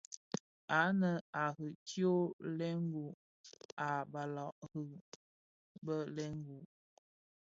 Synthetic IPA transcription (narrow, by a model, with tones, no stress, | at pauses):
a˨˦nə˨a˨ɣə˨tjo˦lɛ˦ŋ˦ɡu˨ | a˨ba˨lɔ˨ʔɣə˨ | bə˦lɛ˦ŋ˦ɡu˨ʔ